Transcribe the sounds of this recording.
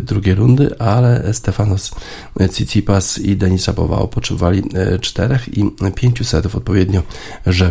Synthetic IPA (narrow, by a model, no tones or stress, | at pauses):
d̪ɾuɡʲejɾund̪ɘ̰ʔalɛst̪ɛfanɔs | t̪sʲit̪sʲipasid̪ɛɲisapɔ̰va̰ɔ̰pɔtʂɛbɔvalʲit͡ʂt̪ɛɾɛxipʲjeɲt͡ɕusɛt̪ufɔt̪̚pɔvjɛd̪ɲɔʐɛ